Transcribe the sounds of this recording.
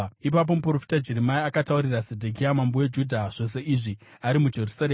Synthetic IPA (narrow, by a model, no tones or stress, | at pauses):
ipap̬o̞mup̬rofi̥tad͡ʒeɾimaiakatauɾirasedʱuk̬iamambowed͡ʒudʱaʐ̥o̞s̬e̞ʔiʐi | aɾimud͡ʒe̞rusaɾeː